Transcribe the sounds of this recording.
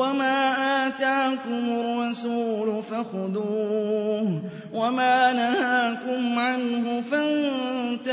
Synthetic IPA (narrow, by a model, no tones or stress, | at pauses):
amaːʔaːt̪aːkʊmʊrɑsuːlʊfaxʊd̪uː | wamaːnahaːkʊmʕanɦʊfant̪a